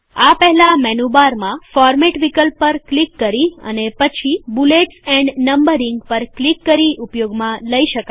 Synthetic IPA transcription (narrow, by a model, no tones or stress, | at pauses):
apɛɦɛlamɛnubaɾmãfɔɾmɛʈʋikəlpːəɾklikːəɾiə̰nepət͡ʃʰibuleʈsɛ̃ɳɖnəmbəɾɪŋɡpəɾklikːəɾiʔupjoɡmãləiʃəka